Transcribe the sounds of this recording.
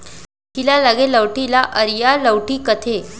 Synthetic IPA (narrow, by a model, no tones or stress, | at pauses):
tilalaɡeləwʈilaʔəɾjaləwʈiːkət̪ʰe